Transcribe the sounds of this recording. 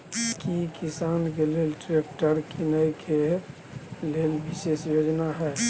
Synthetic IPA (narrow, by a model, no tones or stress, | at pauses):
kikisank̬elelʈɾekʈəɾkinəkʰe | lelbisesjod͡ʒnaɦɛe